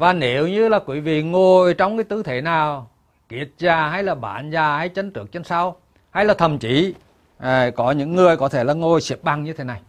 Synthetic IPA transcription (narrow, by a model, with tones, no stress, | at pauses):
vaː˨˩ne˨˦wɲɨ˧laː˨˩kwḭ˧˦vḭ˧˨ŋo˨˩jt͡ɕɔ˧wŋ͡mkaː˨˦jt̪ɨ˧˦t̪ʰe˧˩˦naː˨˩w | ki˨˩ət̚zaː˧˩ha˧˦jlaː˨˩ɓa̰ː˧˨˦nzaː˧˩ha˧˩jt͡ɕə˨˦ŋt͡ɕɨ˨˧˩ək̚t͡ɕe˧˦nsa˧w | ha˧jlaː˨˩t̪ʰə˨˩mt͡ɕi˧˨˦ | kɔ˨˦ɲɨ̰˧˥ŋːɨ˨˩əjkɔ˨˦t̪ʰe˧˩laː˨˩ŋo˨˩jsi˨˩əp̚ɓa˧ŋɲɨ˧t̪ʰe˨˦na˨˩j